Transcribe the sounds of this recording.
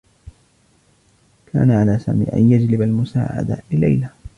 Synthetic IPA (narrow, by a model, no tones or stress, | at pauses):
kʰa̰ːnaʕalaːsa̰ːmḭːʔa̰njad͡ʒlɪbalmʊsaːʕa̰d̪a̰lɪlajla